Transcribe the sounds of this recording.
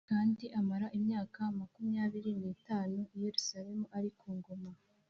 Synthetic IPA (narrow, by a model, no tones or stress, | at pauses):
kaːndiʔamaɾaʔimɲaːkamakumjaːβiɾiniːtaːnuije̞ɾusaɾe̞muʔaɾikuːŋɡoma